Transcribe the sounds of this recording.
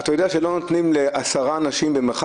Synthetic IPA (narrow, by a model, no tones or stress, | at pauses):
atajo̞d̪eaʃe̞lo̞not̪nimleʔasaʁaːnaʃimbemeχ